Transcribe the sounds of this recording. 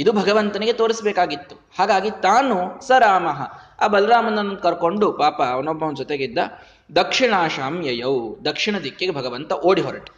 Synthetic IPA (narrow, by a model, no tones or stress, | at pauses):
id̪ubʱɐɡɐʋɐnt̪ɐniɡet̪oːɾisbeːkaːɡit̪ːu̥ | haːɡaːɡit̪aːnusɐɾaːmɐɦɐa̰ːbɐlɐɾaːmɐnːɐnːond̪̚kɐɾkoɳɖupaːpɐʋɐnːobːɐʋnd͡ʒɔt̪eɡid̪ːɐ | d̪ɐkʂiɳaːʃaːmjɐjɐwd̪ɐkʂiɳɐd̪ʱikjeɡebʱɐɡɐʋɐnt̪ɐʔoːɽiɦɔɾɐʈ